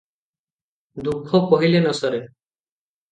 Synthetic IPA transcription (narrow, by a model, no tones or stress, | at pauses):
d̪ukʰːɔkɔɦilenɔsɔɾe